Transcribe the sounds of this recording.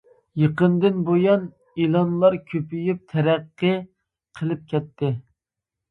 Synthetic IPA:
jəqənd̪ɪnbojɑn | ilˠɑnlˠɑɾkʲʰøpyjyp̚t̪ʰɛɾɛqːɨ | qʰəlˠɨp̚kʲʰɛt̪ʰːɪ

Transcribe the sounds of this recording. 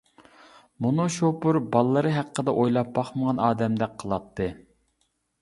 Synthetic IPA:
munuʃopuɾbɑlˠːəɾɨɦæqʰːəd̪ɛʔojlˠɑp̚bɑχməʁɑnɑːd̪ɛmd̪ɛk̚ʲqʰəlˠɑt̪ʰːɨ

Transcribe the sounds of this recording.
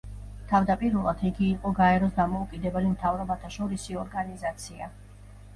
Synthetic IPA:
t̪ʰavd̪apʼiɾɛlˠad̪̥iɡiːqʼɔɡaɛɾɔsd̪amɔukʼid̪ɛbɛlimt̪ʰavɾɔbat̪ʰaʃɔɾisiɔɾɡanizat̪sʰia̰

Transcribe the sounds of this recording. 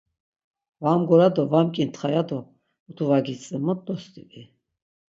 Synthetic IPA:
vamɡɔɾad̪ɔvamkʼint̪χajad̪ɔ | ut̪ʰuvaɡit͡sʼimɔt̪ːɔst̪ʼḭvi

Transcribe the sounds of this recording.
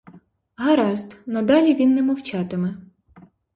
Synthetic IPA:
ɦɐɾɑst̪nɐd̪ɑlʲiʋʲinːɛmɔwt͡ʃɑt̪ɪmɛ

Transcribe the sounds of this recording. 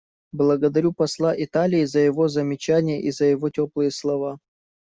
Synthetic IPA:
blˠəɡəd̪ɐɾʲupɐslˠaʔɪt̪alʲɪːzəjɪvo̞zəmʲɪt͡ɕænʲɪjəʔizəjɪvotʲoplˠɨjəslˠɐva

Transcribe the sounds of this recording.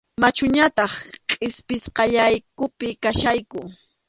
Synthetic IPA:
mat͡ʃʊɲat̪ɑχqʼɪspɪsqɑʎajkʊpɪkaʃajkʊ

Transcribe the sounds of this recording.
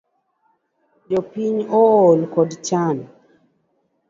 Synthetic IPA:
d͡ʒɔpiɲɔːlkɔdt͡ʃan

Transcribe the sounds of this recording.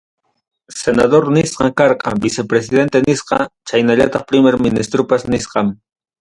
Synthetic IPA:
senaðoɾnɪsqɑŋkɑɾqɑ̰bisepɾes̬ɪðent̪enɪsqɑ̰t͡ʃajnaʎat̪ɑχpɾɪmeɾmɪnɪst̪ɾopasnɪsqɑm

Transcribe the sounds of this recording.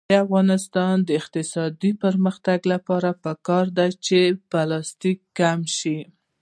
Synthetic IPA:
afɣɑnɪst̪ɑnd̪əɪqt̪ɪsɑd̪ipəɾməxt̪aɡlapɑɾapəkɑɾd̪at͡ʃeb̥ɑlɑst̪ikːamʃi

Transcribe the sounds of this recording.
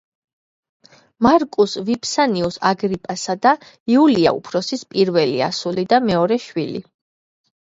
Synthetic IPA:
maɾkʼusvipʰsaniusaɡɾipʼasad̪a | iulia̰ṵpʰɾɔsispʼiɾvɛlia̰sulid̪amɛɔɾɛʃwilḭ

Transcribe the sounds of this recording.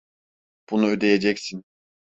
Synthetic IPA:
b̥unuød̪e̞jed͡ʒɛcsin

